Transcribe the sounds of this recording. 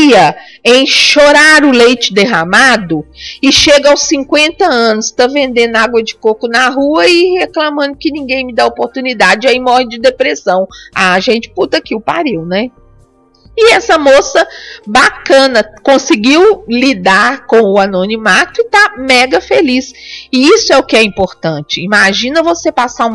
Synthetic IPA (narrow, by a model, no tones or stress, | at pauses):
ɐ | ẽj̃ʃoɾaɾʊlejt͡ʃɪd̪eɦamad̪ʊɪʃeɡɐawsːĩkwẽnt̪ɐɐ̃nʊst̪ɐ̃vẽnd̪ẽnd̪ʊaɡwɐd͡ʒɪkokʊnɐɦuɐɪheklɐmɐ̃nd̪ʊkɪnĩɡẽj̃mɪd̪aopoɾt̪unid̪ad͡ʒɪaimɔhɪd͡ʒɪd̪epɾesɐ̃w̃aʒẽnt͡ʃɪ̥put̪ɐkiʊpa̰ɾiwnɛ | ɪɛsɐmosɐbakɐ̃nɐkõsɪɡiwlid̪aɾkõw̃ʊanõnimat̪ʊɪt̪amɛɡɐfelisɪisʊɛʊkɪɛĩmpoɾt̪ɐ̃t͡ʃɪimaʒĩnɐvosepasaũm